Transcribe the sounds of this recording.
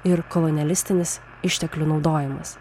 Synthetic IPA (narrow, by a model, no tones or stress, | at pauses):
ɪɾkɔlˠɔnʲɪɛlʲɪsʲt̪ʲɪnʲɪs | ɪʃʲt̪ʲɛklʲunɒʊd̪oːjɪmɐs